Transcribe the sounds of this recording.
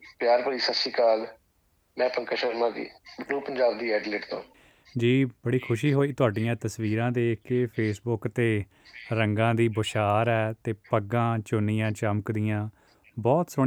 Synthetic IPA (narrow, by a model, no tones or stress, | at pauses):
pjaːɾpəɽiːsəsiːkaːl | mɛ̃ːpəŋkəʃəɾmãːɡ̪ḭːɾuːpəɲd͡ʒaːbd̪iːɛːɖlɪʈt̪õ̰ː | d͡ʒiːbəɽiːkʰʊʃiːɦoːiːt̪ʊaːɖɪjãːt̪əsʋiːɾãːd̪eːkɪpʰeːsbʊkt̪eː | ɾəŋɡãːd̪iːbəʃaːɾɛːt̪eːpəɡãːt͡ʃʊnɪjãːt͡ʃəməkd̪ɪjãː | bɔːt̪sʊ